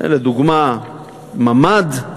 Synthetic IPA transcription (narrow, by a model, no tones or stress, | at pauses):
ʔḛled̪uɡma | mamad̪